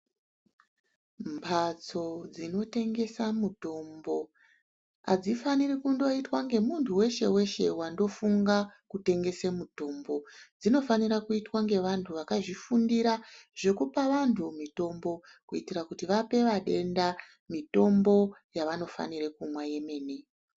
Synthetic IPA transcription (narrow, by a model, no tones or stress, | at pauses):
mpʰat͡so̞d͡zino̞te̞ŋɡe̞samuto̞mbo̞ | a̰d͡zifanirikundo̞itwaŋɡe̞muntʰuwe̞ʃe̞we̞ʃe̞̰wando̞fuŋɡakute̞ŋɡe̞semuto̞mbo̞d͡zino̞faniɾakuitwaŋɡe̞ʋantʰuʋakaʐifundiɾaʐ̥e̞kupaʋantʰumito̞mbo̞ | kuitirakutiʋape̞ʋaɗe̞nda | mito̞mbo̞jaʋano̞fa̰niɾekumwaje̞me̞ːne